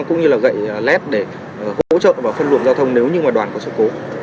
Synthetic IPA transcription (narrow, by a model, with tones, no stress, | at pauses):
kʊ̰˧˥ŋ͡mɲɨ˧laː˨˩ɣə̰˧˨jlɛ˦˥t̚ɗe˧˩˨ | ho̰˧˥t͡ɕə̰ː˧˨nvaː˨˩fə˧nlu˨˩ənzaː˧t̪ʰə˧wŋ͡mne˨˦wɲɨ˧ŋmaː˨˩ɗwaː˨˩nkɔ˨˦sɨ̰ː˧˥ko˨˦